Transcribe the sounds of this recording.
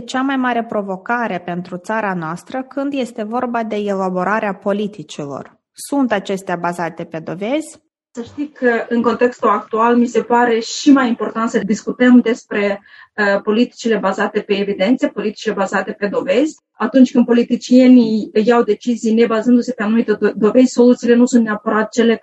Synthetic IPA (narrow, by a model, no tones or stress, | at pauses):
t͡ʃamajmaɾe̞pɾo̞vo̞kaɾe̞pe̞nt̪ɾut̪saɾanoast̪ɾəkɨnd̪je̞st̪e̞vo̞rbad̪e̞elabo̞ɾaɾeapo̞lit̪it͡ʃilo̞̰r | sunt̪at͡ʃe̞st̪eabazat̪e̞pe̞d̪o̞ve̞zʲ | səʃt̪ikʰəʔɨŋko̞nt̪e̞kst̪ulak̚t̪ualmise̞paɾe̞ʃimajimpo̞rt̪ant̪səd̪iskut̪əmd̪e̞spɾe̞ | əpo̞lit̪i̥t͡ʃile̞bazat̪e̞pe̞ːvid̪e̞nt̪sepo̞lit̪i̥t͡ʃilebazat̪e̞pe̞d̪o̞ve̞zʲ | at̪unt͡ʃʲkɨnd̪po̞lit̪it͡ʃije̞nijawd̪e̞t͡ʃizijne̞bazɨnd̪use̞peanumit̪ed̪o̞ve̞zʲso̞lut̪siːle̞nusunt̪neapəɾat̪t͡ʃe̞le̞